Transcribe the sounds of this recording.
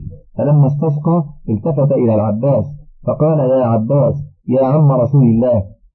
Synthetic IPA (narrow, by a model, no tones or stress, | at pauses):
falamːast̪ɑsqɑʔɪlt̪afat̪aʔɪlaːlʕabːaːsfɑqɑːlajaːʕabːaːsjaːʕamːaɾˤɑsuːlɪlːaːh